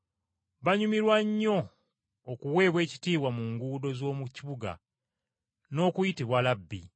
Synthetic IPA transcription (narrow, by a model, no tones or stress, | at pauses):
βaɲumiɾwaɲːo̞ː | kuwe̞ːβwe̞ːci̥tiːwamuŋɡuːdo̞zo̞ːmuciβuɡa̰ | no̞ːkujitiβwalabːḭ